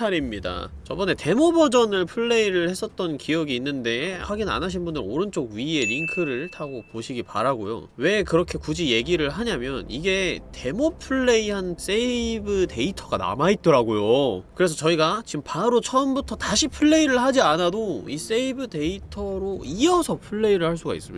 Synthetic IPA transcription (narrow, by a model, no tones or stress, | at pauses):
aɾimɲida̰t͡ɕʌbʌne̞te̞mobʌd͡ʑʌnɯɭpʰɯɭːe̞iɾɯɭhe̞s͈ʌt̚t͈ʌnkijʌɡiːnːɯnde̞haɡina̰naɕ̬ʰinbundɯɾoɾɯnt͡ɕ͈oɡ̚ɥie̞ɾiŋkʰɯɾɯɭtʰaɡopoɕʰiɡipa̰ɾaɡojo̰we̞kɯɾʌkʰe̞kud͡ʑije̞ɡiɾɯɭɦaɲamjʌniɡe̞te̞mopʰɯɭːe̞ihans͈ebɯte̞itʰʌɡana̰mait̚t͈ʌɾaɡojokɯɾe̞sʰʌt͡ɕʌiɡat͡ɕimpaɾot͡ɕʰʌmbutʰʌtaɕʰipʰɯɭːe̞iɾɯɭhad͡ʑianadois͈eibɯde̞itʰʌɾoiʌsʰʌpʰɯɭːe̞iɾɯɭhaɭs͈uɡa̰ḭs͈ɯmḭd